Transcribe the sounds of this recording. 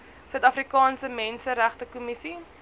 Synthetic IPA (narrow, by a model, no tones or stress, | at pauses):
sœɥtɐfrikɑːnsəmɛnsəɾæχtəkumisi